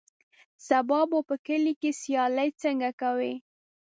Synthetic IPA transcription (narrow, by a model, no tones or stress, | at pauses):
sabɑbopəkəlikesjɑləjt͡səŋɡakawi